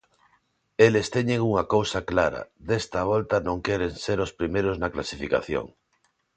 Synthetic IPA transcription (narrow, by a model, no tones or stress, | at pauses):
elest̪eɲeŋuŋɐkowsɐklaɾɐ̰d̪est̪ɐβɔlt̪ɐnõŋkɛɾeŋseɾospɾimejɾʊznɐklasifika̰θjo̰ŋ